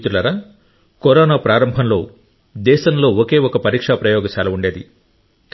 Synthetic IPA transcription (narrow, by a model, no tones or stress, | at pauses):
t̪ulɐɾɐ | koɾɔːnaːpɾaːɾɐmbʱɐnlo̞ː | d̪ɛːʃɐnlo̞ːoke̞ːɔkɐpɐɾiːkʂapɾɐjoːɡɐsaːlɐuɳɖeːd̪ḭ | k